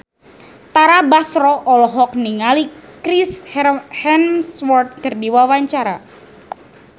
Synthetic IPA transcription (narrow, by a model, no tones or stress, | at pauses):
t̪aɾabasɾɔʔɔlɔɦɔk̚niŋalikɾishɛnswɔrt̪̚kərdiwawaɲt͡ʃaɾa